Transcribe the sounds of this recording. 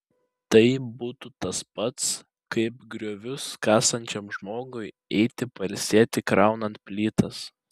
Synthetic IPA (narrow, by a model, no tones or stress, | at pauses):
t̪ɐɪbuːt̪uːt̪ɐspɐt̪s | kɐɪpɡɾʲoːʋʲʊskɑːsɐnʲt͡ʃʲɛmʒmoːɡʊɪ | ɛɪt̪ʲɪpɐlʲsʲeːt̪ʲɪkɾɑˑʊnɐnt̪̚pʲlʲiːt̪ɐs